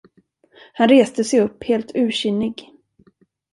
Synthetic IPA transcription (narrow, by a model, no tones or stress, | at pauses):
hanɾeːst̪əsɛjɵpːheːlt̪ʰʉ̟ːɕʏnːɪɡ